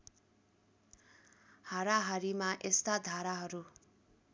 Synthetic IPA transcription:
haɾaɦʌɾimaʔest̪ad̪ʱaɾaɦʌɾu

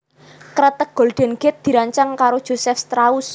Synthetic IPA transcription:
kɾət̪ək̚ɡ̥o̤lɖ̪̥ɛ̤nɡ̥ɛt̪̚d̪̥i̤ɾaɲt͡ʃaŋkaɾod̥ʒ̥o̤sɛfst̪ɾaus

